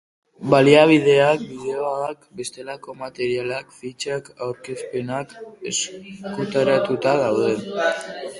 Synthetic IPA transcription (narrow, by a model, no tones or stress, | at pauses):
baliaβ̞ið̞e̞ak̚biðe̞oaakbe̞st̪e̞lako̞mat̪e̞ɾialakfit͡ʃakawɾkespe̞nake̞skut̪aɾat̪ut̪aðawðe̞